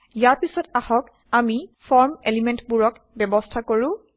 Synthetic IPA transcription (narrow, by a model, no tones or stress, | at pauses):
ijaɹpisɔtahɔk | amifɔɹmelimentbuɹɔk | bɛbɔstʰakoɹʊ̃